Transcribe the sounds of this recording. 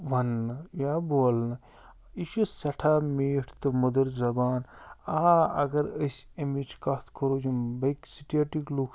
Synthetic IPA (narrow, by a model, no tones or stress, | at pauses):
ʋɐnːɨjaboːlnɨ | iʃusɐʈʰaːmeːʈʰt̪ɨmud̪ɐɾzɐbaːnaɐ̰ɡɐɾəsʲemid͡ʒkɐt̪ʰkʰoɾoːd͡ʒimbɐjksiʈʰijaʈiklukʰ